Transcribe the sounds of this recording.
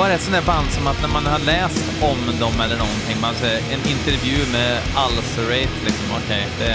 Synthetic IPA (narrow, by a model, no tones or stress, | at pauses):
aɾɛt̪sɔnd̪æːɾband̪sɔmat̪næɾmanhalɛːst̪ɔmd̪ɔmɛlːəɳɔnt̪ʰɪŋːmɛnsɛɛnɪnt̪əɾvjʉ̟ːmɛ | alsɾeɪt̪ʰlɪksɔmɔ̰kʰɛɪd̪ɛ